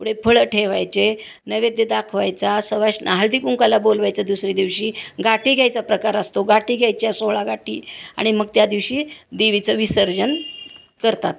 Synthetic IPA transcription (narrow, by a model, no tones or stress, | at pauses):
puɽepʰəɭəʈʰeʋajt͡se | nəʋed̪jed̪akʰʋajt͡sasəʋaɕnʔaɦəld̪ikuŋkalabolʋajt͡sad̪usɾid̪iʋɕiːɡaʈiɡʱjajt͡sapɾəkaɾəst̪oɡaʈiɡʱjajt͡ɕjasoɭaɡaʈḭːa̰ɽ̃iməɡ̚t̪jad̪iʋɕiːd̪eʋit͡səʋisəɾd͡ʑən | kəɾt̪at̪